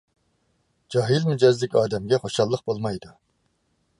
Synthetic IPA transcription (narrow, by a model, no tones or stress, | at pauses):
d͡ʒɑɦilmyd͡ʒɛzd̪ɪkʲɑːd̪ɛmɡʲɛχoʃɑlˠːəq̚bolˠmɑjd̪u